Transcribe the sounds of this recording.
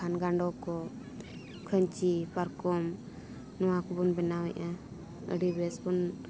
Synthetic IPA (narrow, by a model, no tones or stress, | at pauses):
anɡaɳɖɔkɔ | kʰəɲt͡ʃipaɾkɔm | nɔwakɔbɔnbɛnawɛʔa | ə̰ɖibɛsbɔn